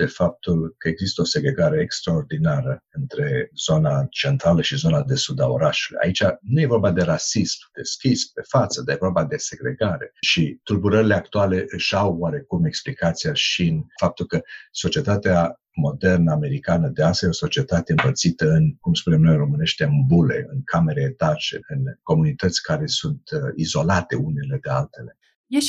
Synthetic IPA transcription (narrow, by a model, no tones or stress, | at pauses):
be̞fap̚t̪ulkəe̞ɡzist̪əo̞se̞ɡɾe̞ɡaɾe̞ːkst̪ɾao̞rd̪inaɾəɨnt̪ɾe̞z̥o̞nat͡ʃe̞nt̪ɾaləʃizo̞nad̪e̞sud̪a̰o̰ɾaʃulṵja̰it͡ʃanuje̞vo̞rbad̪e̞ɾasismd̪̥e̞̰skʲispe̞fat̪səd̪aje̞voɾbad̪e̞se̞ɡɾe̞̰ɡaɾe̞̰ʃit̪urbuɾəɾile̞ak̚t̪uale̞ʔɨʃawwaɾe̞kume̞ksplikat̪sijaʃiɨnfap̚t̪ulkəso̞t͡ʃie̞t̪at̪ea | mo̞d̪e̞rnəame̞ɾikanəd̪easajeo̞so̞t͡ʃie̞t̪at̪eɨmpərt̪sit̪əɨnkumspune̞mnojro̞mɨne̞ʃt̪e̞ɨnbule̞̰ɨnkʰame̞ɾeːt̪at͡ʃe̞̰ɨnko̞munit̪ət̪sʲkaɾe̞sunt̪izo̞lat̪e̞une̞le̞d̪ealt̪e̞le̞ | je